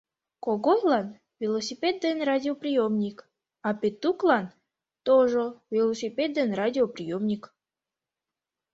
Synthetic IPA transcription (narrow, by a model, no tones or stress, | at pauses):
koɣojlɑn | vʲelˠosʲipʲed̪̚ːenradʲioprʲijomnʲik | ɑpʲet̪ːuklɑn | t̪oʒəvʲelˠosʲipʲed̪̚d̪enradʲioprʲijomnʲik